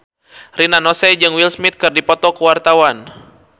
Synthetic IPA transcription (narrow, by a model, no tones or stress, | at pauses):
rinanɔsɛd͡ʒɨŋwilsmit̪̚kɨrdipɔt̪ɔkəwart̪awan